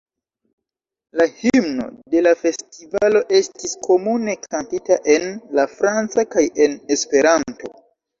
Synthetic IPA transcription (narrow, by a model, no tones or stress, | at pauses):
lahimno̞̰de̞lafe̞stivalo̞ʔe̞stiskʰo̞mune̞kʰantitaʔe̞nlafɾant͡sakaje̞ne̞spe̞ɾanto̞